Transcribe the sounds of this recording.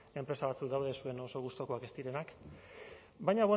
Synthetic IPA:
e̞mpɾe̞saβat͡sukd̪awðe̞sue̞no̞so̞ɣ̞ust̪o̞ko̞ake̞st̪iɾe̞nak | bajɲaβo

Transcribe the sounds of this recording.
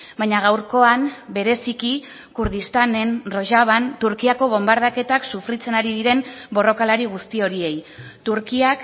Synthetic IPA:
baɲaɣ̞awɾko̞ambe̞ɾe̞siki | kuɾð̞ist̪ane̞nro̞ʒaβant̪uɾkiako̞β̞o̞mbaɾð̞ake̞t̪aksufɾit͡se̞naɾiðiɾe̞mbo̞ro̞kalaɾiɣ̞ust̪io̞ɾie̞jt̪uɾkiak

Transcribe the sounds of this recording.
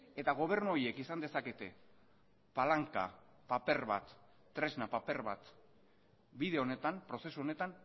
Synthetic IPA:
e̞t̪aɣ̞o̞β̞e̞ɾnuoɾie̞kisand̪e̞sake̞t̪e̞ | palaŋka̰ | pape̞ɾβa̰t̪ː | ɾe̞znapape̞ɾβat̪ | biðe̞o̞ne̞t̪ampɾo̞se̞suo̞ne̞t̪an

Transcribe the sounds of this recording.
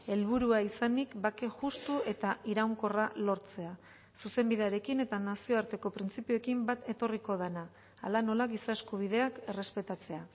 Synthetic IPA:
e̞lβ̞uɾuaisanikbake̞ʝust̪ue̞t̪aiɾawŋko̞ralo̞ɾt͡se̞a | suse̞mbiðe̞aɾe̞kine̞t̪anasio̞aɾt̪e̞ko̞pɾint͡sipioekimbat̪e̞t̪o̞riko̞ðenaː | lano̞laɣisaeskuβ̞ið̞e̞ake̞re̞spe̞t̪at͡se̞a

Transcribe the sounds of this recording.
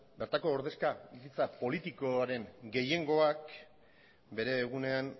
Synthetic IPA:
be̞ɾt̪ako̞ːɾðe̞skabisit͡sapo̞lit̪iko̞aɾe̞ŋɡe̞je̞ŋɡo̞ak | be̞ɾe̞ːɣ̞une̞an

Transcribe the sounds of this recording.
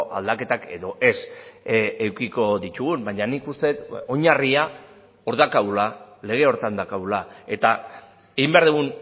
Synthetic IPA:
ʔa̰ld̪ake̞t̪ake̞ðo̞ʔe̞s | ewkiko̞ðit̪uɣumbaɲanikust̪e̞t̪o̞ɲaria | o̞ɾðakaulale̞ɣ̞e̞o̞ɾt̪and̪akaulae̞t̪a | eɣimbe̞aɾðeɣun

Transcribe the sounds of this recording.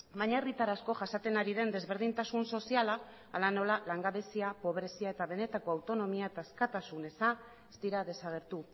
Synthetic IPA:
baɲaerit̪aɾasko̞ʝasat̪e̞naɾiðe̞nd̪e̞zβe̞ɾð̞int̪asunso̞sialaː | lano̞lalaŋɡaβe̞siapo̞β̞ɾe̞siae̞t̪aβe̞ne̞t̪ako̞awt̪o̞no̞miaet̪aeskat̪asune̞sa | ezt̪iɾaðe̞saɣ̞e̞ɾt̪u

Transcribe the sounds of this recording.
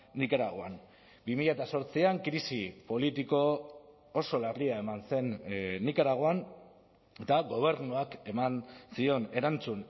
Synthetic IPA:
nikaɾaɣ̞o̞a̰n | bimiʎaet̪aso̞ɾt͡siaŋkɾisipo̞lit̪iko̞ | oso̞lariae̞manse̞nːikaɾaɣ̞oan | e̞t̪aɣo̞β̞e̞ɾnuake̞mansio̞ne̞ɾant͡sun

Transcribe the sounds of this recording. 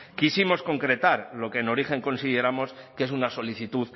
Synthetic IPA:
kisimo̞sko̞ŋkɾe̞t̪aɾlo̞ke̞ːno̞ɾixe̞ŋko̞nsiðe̞ɾamo̞skee̞sunaso̞liθit̪uð

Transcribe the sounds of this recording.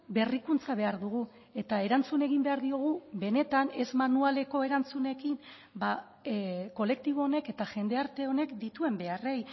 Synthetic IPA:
be̞rikunt͡saβe̞aɾðuɣ̞u | e̞t̪ae̞ɾant͡sune̞ɣ̞imbe̞aɾðio̞ɣ̞uβe̞ne̞t̪ane̞zmanuale̞ko̞e̞ɾant͡sune̞kim | ba | ko̞le̞k̚t̪iβo̞ːne̞ke̞t̪aʝe̞nd̪e̞aɾt̪e̞o̞ne̞kd̪it̪ue̞mbe̞are̞j

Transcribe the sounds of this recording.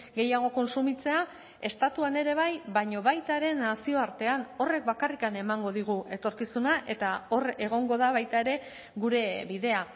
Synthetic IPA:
ɡe̞jaɣ̞o̞ko̞nsumit͡se̞a | e̞st̪at̪uane̞ɾe̞βajβajɲo̞βajt̪aɾe̞nasio̞aɾt̪e̞ano̞re̞k̚bakarikane̞maŋɡo̞ðiɣ̞uʔe̞t̪o̞ɾkisunaʔe̞t̪ao̞re̞ɣ̞o̞ŋɡo̞ð̞aβajt̪ae̞ɾe̞ | ɣuɾe̞βiðe̞a

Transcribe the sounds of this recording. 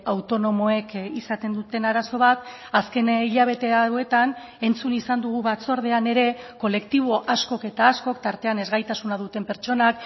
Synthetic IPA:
awt̪o̞no̞mo̞e̞kisat̪e̞nd̪ut̪e̞naɾaso̞β̞at̪ | aske̞niʎaβ̞e̞t̪e̞aoe̞t̪an | e̞nt͡sunisand̪uɣ̞uβat͡so̞ɾð̞e̞ane̞ɾe̞ko̞le̞kt̪iβ̞o̞ʔasko̞ke̞t̪aːsko̞kt̪aɾt̪e̞ane̞zɣajt̪asunað̞ut̪e̞mpe̞ɾt͡ʃo̞nak

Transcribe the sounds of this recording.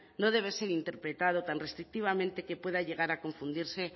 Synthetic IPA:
noð̞e̞β̞eseɾint̪e̞ɾpɾet̪að̞ot̪anrest̪ɾik̚t̪iβ̞amẽnt̪ekepwe̞ðaʎe̞ɣaɾakõ̞ɱfũnd̪iɾse

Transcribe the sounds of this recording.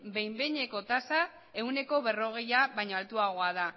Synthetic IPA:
be̞jmbeɲe̞ko̞t̪asa | e̞wne̞ko̞βe̞ro̞ɣ̞e̞jaβajɲoalt̪uaɣ̞o̞að̞a

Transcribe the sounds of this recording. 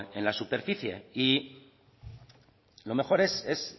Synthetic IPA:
enlasupe̞ɾfiθje̞̰i | lo̞me̞xo̞ɾe̞ses

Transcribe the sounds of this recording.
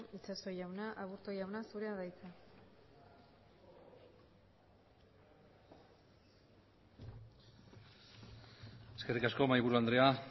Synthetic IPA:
it͡saso̞jawnaʔaβuɾt̪o̞jawnasuɾeaðajt͡sa | e̞ske̞rikasko̞majβuɾuand̪ɾe̞a

